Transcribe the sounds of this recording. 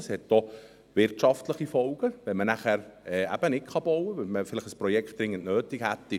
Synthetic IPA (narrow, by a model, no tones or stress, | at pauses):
shɛt̚d̥ɔ | ʋɪɾtʃɑftləχifɔʊɡ̥əʋɛnmənæχæɾɛæ̰b̥ənɪkχɑb̥owəʋɛlməfɪlɪχəsprɔjɛkχt̚d̥ɾɪŋːəntnøːtikhæt̪ːi